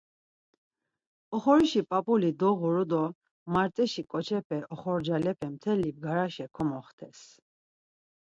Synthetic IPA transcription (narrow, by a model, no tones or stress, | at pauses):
ɔχɔɾiʃipʼapʼulid̪ɔʁuɾud̪ɔ | maɾtt͡sʼɛʃikʼɔt͡ʃʰɛpʰɛʔɔχɔɾd͡ʒalɛpʰɛmt̪ʰɛlib̚ɡaɾaʃɛkʰɔmɔχt̪ʰɛs